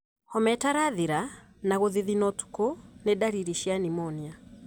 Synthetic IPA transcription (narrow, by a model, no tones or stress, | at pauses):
hɔmɛtaɾaðiɾa | naɣoðiðinɔtu̥konedaɾiɾiʃianimɔnia